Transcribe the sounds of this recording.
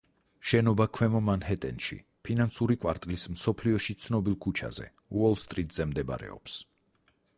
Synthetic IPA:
ʃɛnɔbakʰwɛmɔmanɦɛt̪ʼɛnʃḭ | pʰinansuɾikʼwa̰ɾt̪ʼlismsɔpʰliɔʃit̪sʰnɔbilˠkʰut͡ʃʰa̰zɛ̰ | uɔlˠst̪ʼɾit̪ʼz̥ɛmd̪ɛba̰ɾɛ̰ɔ̰ps

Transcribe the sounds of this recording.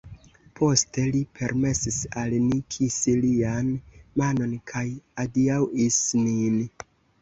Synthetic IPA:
pʰo̞ste̞lipʰe̞ɾme̞sisalnikʰisilianmano̞nkʰajadiawisnin

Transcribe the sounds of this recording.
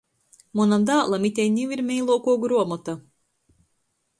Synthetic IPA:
munamd̪aːlˠamit̪ʲɛjnʲiwiɾmʲɛjlˠɔɔkuɔɡɾuɔmɔt̪a

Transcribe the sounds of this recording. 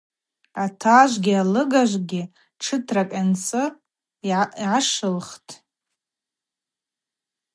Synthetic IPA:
atʰaʒʷɡʲialɨɡaʒʷɡʲɪ | ʈ͡ʂʰɨtʰrakʼant͡sʼɨ | iʕaʂɨlχtʼ

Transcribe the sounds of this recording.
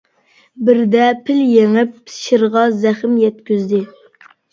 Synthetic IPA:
bɪɾd̪ɛpʰɪljeŋɪp̚ʃɪɾʁɑzæχɪmjɛt̪kʲyzd̪ɪ

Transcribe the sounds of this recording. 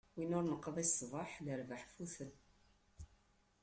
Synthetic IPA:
winʊɾnəqːəðˤisˤːvˤɑħləɾvaħfuθən

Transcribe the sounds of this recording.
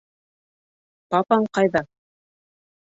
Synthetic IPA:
pɑpɑɴqɑjðɑ

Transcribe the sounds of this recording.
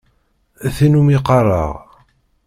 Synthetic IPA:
æθinumiqɑrˤɑ̰ʁ

